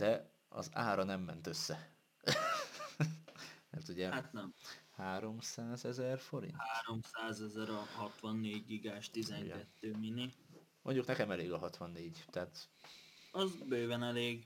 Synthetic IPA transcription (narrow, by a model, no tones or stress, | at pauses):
d̪ɛ | ɒ̰za̰ːɾɒnɛmːɛnt̪øsːɛ | mɛrt̪uɟɛhat̪nɛmhaːɾo̞msaːzɛzɛrfo̞ɾḭnhaːɾo̞msaːzɛzɛɾɒɦɒt̪ʋɒnːeːɟɡiɡaːʃt̪izɛnkɛt̪ːøːmini | moɲɟuknɛkɛmɛleːɡɒɦɒt̪ʋɒnːeːɟt̪ɛɦat̪ | ɒzbøjvɛnɛleːɡ